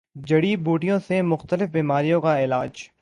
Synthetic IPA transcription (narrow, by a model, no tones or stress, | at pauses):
d͡ʒɐɽibuːʈijõsemʊxt̪əlɪfbiːmaːɾijõkaɪlaːd͡ʒ